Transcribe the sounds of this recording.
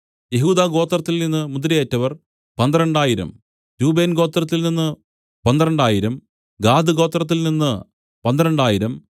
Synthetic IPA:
je̞ɦuːd̪aːɡo̞ːt̪ːrɐt̪ːilninːɨmud̪ɾijeːtːɐʋɐr | pɐnd̪iɾɐɳɖaːjiɾɐ̰m | ɾuːbe̞ːnɡo̞ːt̪ːrɐt̪ːilninːɨ | pɐnd̪iɾɐɳɖaːjiɾɐm | ɡaːd̪ɨɡo̞ːt̪ːrɐt̪̬ːilninːɨ | pɐnd̪ɾɐɳɖaːjiɾɐm

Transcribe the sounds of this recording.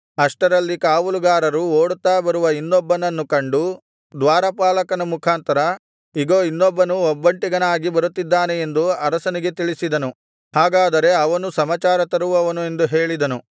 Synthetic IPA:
ɐʂʈɐɾɐlːikaːʋuluɡaːɾɐɾuoːɽut̪ːaːbɐɾuʋɐinːɔbːɐnɐnːukɐɳɖu | d̪ʋaːɾɐpaːlɐkɐnɐmukʰaːnt̪ɐɾɐ | iɡoːinːɔbːɐnuɔbːɐɳʈiɡɐnaːɡibɐɾut̪ːid̪ːaːnee̞nd̪uɐɾɐsɐniɡe̞t̪iɭisid̪ɐnu | ɦaːɡaːd̪ɐɾe̞ɐʋɐnusɐmɐt͡ʃaːɾɐt̪ɐɾuʋɐʋɐnue̞nd̪uɦe̞ːɭid̪ɐnu

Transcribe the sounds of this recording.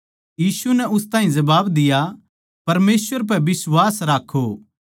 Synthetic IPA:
jiːsunɛʔʊst̪ãːɦĩzɐbaːbd̪ɪja | pɐɾmeːsʋəɾp̬ɛbɪswaːsɾaːkʰːo

